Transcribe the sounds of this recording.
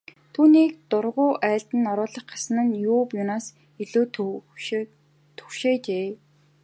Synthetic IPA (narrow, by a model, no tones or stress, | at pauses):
t̪ʰuːniːk̚t̪ʊrʁʊːʔæːɬt̪ɘ̆nɔɾʊːɮə̆χɢasə̆nə̆njʊːpjʊnaːs | iɮoːt | t̪ʰɵ̥xʃeːt͡ɕeː